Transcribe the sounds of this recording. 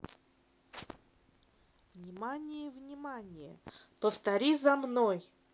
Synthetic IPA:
vnʲɪmanʲɪjəvnʲɪmanʲɪjə̰t̪əst̪ɐɾʲizɐmnoj

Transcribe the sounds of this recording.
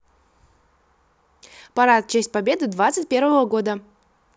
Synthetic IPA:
pɐɾat̪̚t͡ɕesʲt̚ʲpɐbʲed̪ɨd̪vat̪sɨtʲpʲe̞ɾvəvəɡod̪ə

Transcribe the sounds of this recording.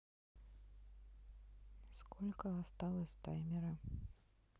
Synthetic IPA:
skʰɔlʲkɐast̪alˠɐsʲt̪ajmʲɛɾɐ

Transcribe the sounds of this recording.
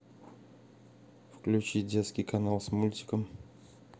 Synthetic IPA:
fklʲʉt͡ɕidʲet̪skʲɪjkɐnalˠsmulʲtʲɪ̥kəm

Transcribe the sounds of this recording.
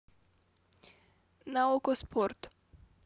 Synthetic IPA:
naɔkɔspʰɔɾt̪

